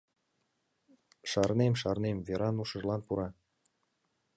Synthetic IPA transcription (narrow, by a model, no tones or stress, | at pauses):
ʃɑrnemʃɑrnemveɾɑnuʃə̆ʒlɑnpuɾɑ